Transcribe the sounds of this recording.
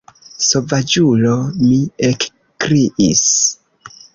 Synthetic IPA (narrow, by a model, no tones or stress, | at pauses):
sovad͡ʒulomiek | kɾiʔḭs